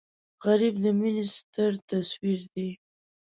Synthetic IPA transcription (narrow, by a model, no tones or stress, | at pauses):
ɣaɾibd̪əminist̪əɾt̪aswiɾd̪e